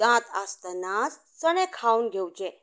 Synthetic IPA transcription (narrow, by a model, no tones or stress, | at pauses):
ãt̪ast̪ənas | səɽ̃ẽkʰaunɡʱewt͡ʃẽ